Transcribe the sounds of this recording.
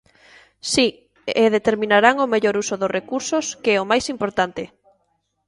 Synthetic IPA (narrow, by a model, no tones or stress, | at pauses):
si | eðet̪eɾmĩnaɾaŋʊmeʎoɾusʊðʊsrʔekuɾsʊskeɛomajsimpoɾt̪ant̪ɪ